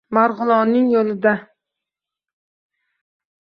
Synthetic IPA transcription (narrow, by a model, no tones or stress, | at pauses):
maɾʁʊlˠɒnːɪŋjolɪd̪a